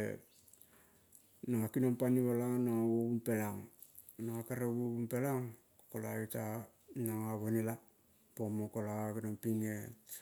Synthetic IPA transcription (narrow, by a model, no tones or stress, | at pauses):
e | naŋakinompaniβalanaŋawoumpe̞laŋ | naŋakaɾeβoumpelaŋ | kolaita | naŋaβonila | pomokolakinompiŋe